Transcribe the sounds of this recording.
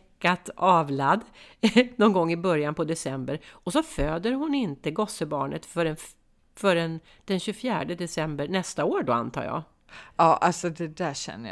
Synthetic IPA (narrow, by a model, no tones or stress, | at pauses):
kːat̪ɑːvlad̪ːnɔnɡɔŋːɪbœɾjanpʰɔd̪ɛsɛmbəɾɔsɔføːd̪əɾhʊnɪnt̪əɡɔsəbɑːɳə̰t̪fœɖɛn | fœɾɛn | d̪̥ɛnɕɵfjæːɖəd̪ɛsɛmbəɾɳɛst̪aoːɾɖɔa̰nt̪ʰɑ̰ːɾjɑ̰ː | ɑːʔalsɔd̪ɛd̪æɕɛ̰nːə